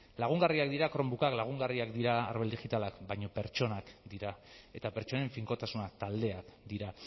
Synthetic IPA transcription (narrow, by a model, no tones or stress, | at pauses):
laɣ̞uŋɡariakd̪iɾakɾo̞mbukaklaɣ̞uŋɡariakd̪iɾaːɾβeld̪ixit̪alakbajɲo̞pe̞ɾt͡ʃo̞nakd̪iɾae̞t̪ape̞ɾt͡ʃo̞ne̞ɱfiŋko̞t̪asunat̪ald̪e̞akd̪iɾa